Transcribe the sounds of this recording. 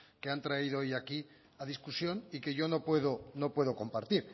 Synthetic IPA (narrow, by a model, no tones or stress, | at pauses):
ke̞ant̪ɾaiðoojaki | aðiskusjo̞nike̞ʝo̞no̞pwe̞ðo̞no̞pwe̞ðo̞ko̞mpaɾt̪iɾ